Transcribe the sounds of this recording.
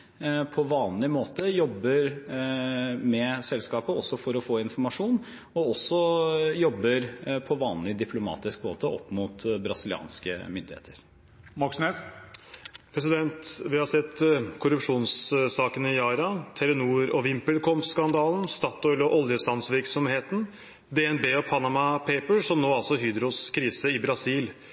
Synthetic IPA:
pʰɔʋɑːnlɪmoːt̪əjɔbːəɾ | mɛsɛlskɑːpəɔsːɔfɔɾɔfoːɪnfɔɾmɑʂuːn | ɔɔsːɔjɔbːəɾpʰɔʋɑːnlɪd̪ɪpʰlʊmɑ̰ːt̪ɪskmo̰ːt̪əʔɔ̰pːmuːt̪bɾɑsɪlɪɑ̰ːnskə̰mʏnd̪ɪhḛːt̪ʰəɾ | mɑksnes | pʰɾɛs̬ɪd̪ɛnt̪ʋɪhɑɾsɛt̪ːkʰʊɾʉpʂuːnssɑːkənɪjɑːɾɑt̪ʰɛɾʊnuːɾɔʋɪmpəlkʰɔmskɑnd̪ɑːln̩st̪ɑːt̪ɔʏlɔʔɔljəslɑnsʋɪɾksɔmheːt̪n̩ | d̪ɛɛnbeːɔpʰɑnɑmɑpʰeɪpəsɔmnoːɑlsɔɦyːd̪ɾʊskʰɾiːsəɪbɾɑsiːl

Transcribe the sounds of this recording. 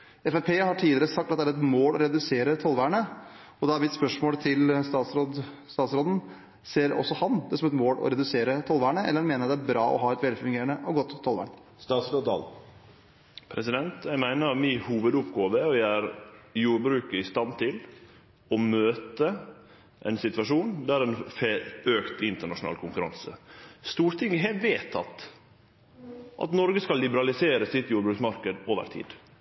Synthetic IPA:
ɛfæpʰeːhɑʈʰiːd̪ɪɾəsɑk̚t̪ɑt̪̚d̪æɾɛt̪moːlɔɾɛd̪ʉseːɾət̪ʰɔlʋæːɾɳə | ɔd̪ɛɑɾʋɪt̪spœʂmoːlt̪ʰɪlst̪ɑːt̪sɾod̪ | st̪ɑːt̪sɾoːd̪ən̩ | seːɾɔ̰sːɔhɑnd̪ɛsɔmɛt̪moːlʔɔ̰ɾɛd̪ʉseːɾət̪ʰɔlʋæːəɳəɛ̰lːɾɑnmeːnəɾt̪d̪ææɾbɾɑːʔɔ̰ɦɑːɛt̪ʋɛlfʉŋɡeːɾəɳəʔɑɡɔt̪ʰːɔlʋæ̰ːɳ | st̪ɑːt̪sɾoːd̪ɑ̰l | pʰɾɛsɪd̪ɛnt̪jæɪmæɪnəɾmɪhuːʋəd̪ʊpɡoːʋəɔjææɾjuːɾbɾʉːkəɪst̪ɑnt̪ʰɪl | ɔmøːt̪ə | ʔɛ̰ɪnsɪt̪ʋɑʂuːnd̪æɾɛnføːkt̪ɪnt̪əɳɑʂʊnɑ̰ːlkʰʊŋkʉɾɑ̰nsə̰st̪uːɾt̪ʰɪŋəɦeʋeːt̪ʰɑ̰t̪ | ʔɑ̰t̪nɔɾɡəskɑlːɪbəɾɑlɪseːɾəsɪt̪juːɾbɾʉːksmɑɾkəd̪oːʋə̰ɾt̪ʰḭːd̪

